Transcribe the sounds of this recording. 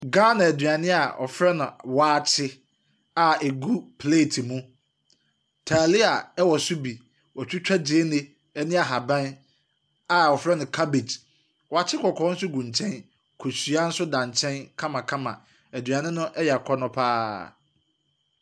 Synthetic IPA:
ɡãː˦nã˨æ˨dɥa˨nɪ̃˦a˨ɔ̰˨fɾɛ˦nʊ̃˨waː˦t͡ɕʰɪ˦ | a˨e˨ɡu˦pʰleː˦˨tʰi˨mũ˦ | tʰaː˨lɪ˦a˨ɛ˦wɔ˨sʊ˦bi˨ | wɔ˨t͡ɕᶣɪ˦t͡ɕᶣa˦d͡ʑeː˦nɪ̃˦ | ɛ˦nɪ̃˦a˨ɦa˨bɛ̃˦n | a˨ɔ˨fɾɛ˦nʊ̃˨kʰa˦be˨d͡ʑ | wa˨t͡ɕʰɪ˦kʰɔ˨kʰɔ̃˨˦n̩˦sʊ˦ɡũ˨ɲ˨t͡ɕʰɛ̃˦n | kʰo˨si˨˦a˦n̩˦sʊ˦dã˨ɲ˨t͡ɕʰɛ̃˦nkʰã˦mã˨kʰã˦mã̰˨ | æ˨dɥa˨nɪ̃˦nʊ̃˦ʔɛ˦jɛ˨a˨kʰɔ˦nʊ̃˦pʰaː˦

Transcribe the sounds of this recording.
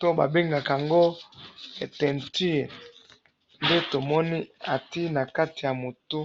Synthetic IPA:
to˦ba̰˨be˦ŋɡa˨ka˨ŋɡo˦ | e˨tɛ˨nti˦˨ | nde˦to˨mɔ˦ni˦a˨ti˦na˨ka˦ti˨ja˨mo˨tu˦

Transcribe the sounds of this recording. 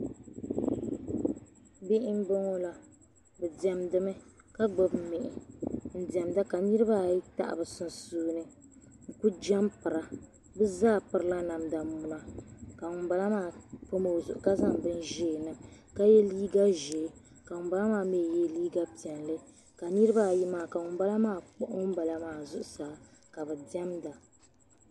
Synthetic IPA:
bɪ˦ʔɪ˦m̩˦bɨ˦ŋo˦la˨ | bɨ˨dɛ˨mdɨ˦mɨ˦ | ka˦ɡ͡bɔ˦bmɪ˨ʔɪ˨n̩˨dɛ˨mda˦ka˨nɨ˦ɾɨ˦ba˦˨ji˦ta̰˦ʔa̰˨bɨ˨sʊ˦n˨suː˦nɨ˦ | ŋ̩˨ku˦d͡ʒa˦mpɨ˨ɾa˦ | bɨ˦zaː˦˨pɨ˦ɾɨ˦la˦na˨mda˨mu˦la˦ka˨ŋʊ˨m˦ba˨la˦maː˦˨po˦mo˨˦˨zʊ̰˨ʔʊ˨ka˦za˦mbɨ˦nʒɛː˦˨nɨ˨m | ka˦jɛ˦liː˦ɡa˦ʒɛ˨˦ | ka˨ŋʊ˨m˦ba˦la˦maː˦˨me˦˨jɛ˦liː˦ɡa˦pi˨ɛ˨nlɨ˦ | ka˨nɨ˦ɾɨ˦ba˦˨ji˦maː˨ka˨ŋʊ˨˦ba˦la˦maː˦˨k͡pʊ˦ʔʊ˦m̩˦ba˨la˦maː˨zʊ˦ʔʊ˨˦saː˨˦ka˨bɨ˨dɛ˦mda˨

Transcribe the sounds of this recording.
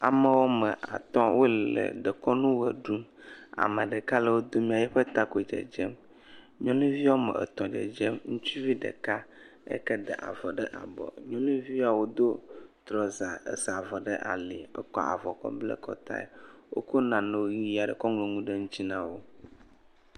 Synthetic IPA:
a˨mə˨wo˦mə˨a̰˨t̪ɔ̃˦wʔo˦llə̰˨ɖə˨kɔ˦nũ˦wə˨ɖu˦ma̰˨mə˨ɖə˨ka˦lɛ˦wo˦d̪o˦mĩ˦a˨jɛ˦ɸə˦t̪a˦ko˨d͡ʒɛ̰˨d͡ʒɛ˦m | ɲɔ̃˦nũ˦vi˦wo˦mə̰˨ʔḛ˨t̪ɔ̃˨d͡ʒḛ˨d͡ʒɛ˦mŋũ˦t͡ʃu˦vi˦ɖə̰˨ka˦ | ḛ˦kɛ˦d̪ə̰˨ʔa̰˨vɔ˨ɖə˦ʔa̰˨bɔ̰˨ɲɔ̃˦nũ˦vi˦a˨wo˦d̪o˦t̪ɾɔ˨za˨ḛ˨za˨vɔ˨ɖə˦ʔa̰˨le˨ɛ̰˦kɔ˦˨a̰˨vɔ˨kɔ̰˦blə̰˦kɔ̰˦t̪a̰˦ḛ˨wo̰˦ko˦nã˨ne˨wo˦ɣi˦i˦a˨ɖə˨kɔ˦ŋ˨e˨ŋũ˦ɖe˦ŋũ˦t͡ɕi˦nã˦wo˦

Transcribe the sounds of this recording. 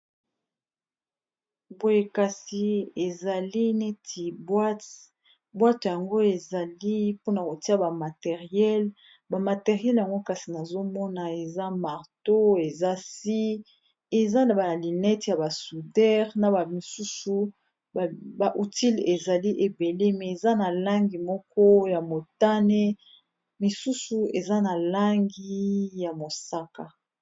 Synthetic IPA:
bo˨je˨ka˨si˨e˨za˨li˦nɛ˦tʰi˨bwa˦t | bwa˦tja˨ŋɡo˦e˨za˨li˦po˦na˨ko˨ti˦a˦ba˨ma˨te˨ʁjɛ˦l | ba˨ma˨te˨ʁjɛ˦lja˨ŋɡo˦ka˨si˨na˨zo˦mɔ˦na˨e˨za˦ma˨ʁto˦e˨za˦si˦ | e˨za˦na˨ba˨li˨nɛ˦tja˨ba˨su˨dɛ˦ʁna˨ba˨mi˨su˦su˨ | bba˨ʔu˨ti˦le˨za˨li˦ʔe˨be˨le˦mɛ˨e˨za˦na˨la˦ŋɡi˨mɔ˦kɔ˦ja˨mo˨ta˦ne˦ | mi˨su˦su˨e˨za˦na˨la˦ŋɡi˦ja˨mo˨sa˦ka˨

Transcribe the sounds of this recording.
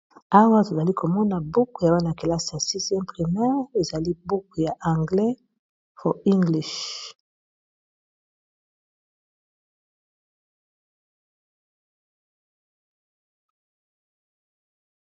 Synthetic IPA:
a˦wa˦to˨za˨li˦ko˨mɔ˦na˨bu˦kja˨wa˦na˨ke˨la˦sa˨si˦sɛ̃˦pʁi˨mɛ˦ʁe˨za˨li˦bu˦kja˨ʔa˨ŋɡlɛ˦ | fɔ˨i˦ŋɡli˨ʃ

